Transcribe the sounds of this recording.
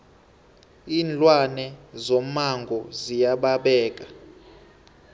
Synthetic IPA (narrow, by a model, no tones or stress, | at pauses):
iːnlʼwanɛzomaŋɡʱɔzijaɓaɓɛːk̬ʼa